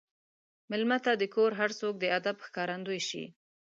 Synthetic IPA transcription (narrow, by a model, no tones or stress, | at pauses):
mɪlmat̪ad̪əkoɾɦaɾsok̚d̪əad̪abxkɑɾand̪ojʃḭ